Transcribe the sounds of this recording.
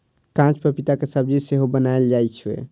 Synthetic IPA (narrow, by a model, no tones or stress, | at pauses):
kãt͡ʃpəɾpit̪akesəb̚d͡ʒiseɦobənaeld͡ʒajt͡ʃʰḛ